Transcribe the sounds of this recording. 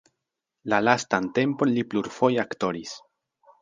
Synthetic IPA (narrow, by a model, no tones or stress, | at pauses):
lalastante̞mpo̞nlipluɾfo̞jakto̞ɾis